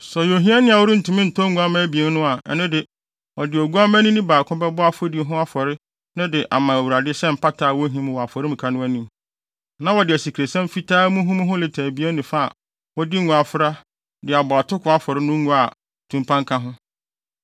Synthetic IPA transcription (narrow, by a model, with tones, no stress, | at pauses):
sɔ˨jo˨ɦĩ˦a˦nɪ̃˦˨a˨wʊ˦ɾɪ˦n̩˨tʰũ˨mɪ̃˦n̩˨tʰɔ˦ŋũ˦a˦mã˦bi˨e˨n˦nʊ̃˦a˨ɛ̰˦˨nɪ̃˦dɪ˨ | ɔ˨dɪ˨ɔ˨ɡu˦a˦mæ̃˦nĩ˦nĩ˦baː˨kʰʊ̃˦bɛ˦bɔ˦a˦fo˦di˨˦ɦʊ̃˦a˦fɔ˨ɾɪ˦ | nʊ̃˦dɪ˨ʔa˨mã˨æ˨wu˨ɾa˨dɪ˦sɛ˦m̩˨pa˦tʰaː˨wɔ˦ɦĩ˦m̃˨wɔ˨a˨fɔ˨ɾɪ˦mũ˨kʰa˨nʊ̃˦æ˦nĩ˨m | nã˦wɔ˨dɪ˨æ˨si˨kʰɾe˨sã˦m˦fi˦tʰaː˦mũ˦ɦũ˦m̃˦ɦʊ̃˦lɪ˨tʰaː˨bi˨˦e˦nɪ̃˨fa˦a̰˨ | wɔ˦dɪ˦ŋũ˨a˨fʊ˦ɾa˦ | dɪ˨a˨bɔ˨a˨tʰʊ˦kʰʊ˨a˦fɔ˨ɾɪ˦nʊ̃˦ŋũ˦a˨ | tʰũ˨mpʰã˦ŋkʰã˦ɦʊ̃˦